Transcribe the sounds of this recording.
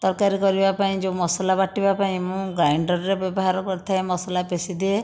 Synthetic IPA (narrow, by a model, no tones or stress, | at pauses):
t̪ɔɾkaɾikɔɾibapaĩd͡ʒẽmɔsɔlabaʈibapaĩmũɡajɳɖɔɾɾebjɔbɔɦaɾɔkɔɾt̪ʰaemɔsɔlapesid̪ie